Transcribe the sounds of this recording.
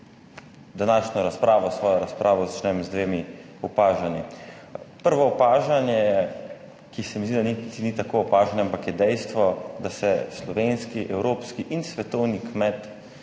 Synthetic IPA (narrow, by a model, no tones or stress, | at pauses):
d̪anaːʃnɔɾaspɾaːʋɔsʋɔːjɔɾaspɾʔaːʋɔzat͡ʃnɛmzd̪ʋeːmi | ɔpaːʒani | pəɾʋɔɔpaːʒanjɛjɛ | kisɛmizd̪id̪anit̪init̪akoːpaːʒanɛampakjɛd̪ɛjst̪ʋɔd̪asɛslɔʋeːnskiʔɛwɾoːpskiʔinsʋɛt̪ɔwnikmɛt̪